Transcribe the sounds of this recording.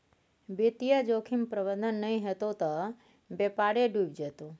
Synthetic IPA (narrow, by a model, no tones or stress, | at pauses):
bet̪ijəd͡ʒokʰimpɾəʋənd̪ənːəɦĩɦət̪ot̪ɔ | bepaɽeɖubd͡ʒət̪ũ